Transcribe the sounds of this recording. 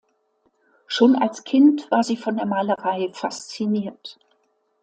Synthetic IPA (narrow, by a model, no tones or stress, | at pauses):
ʃoːna̰lskʰɪntv̥aːɐziːfɔndeːɐmaːləʁaɪfast͡siniːɐt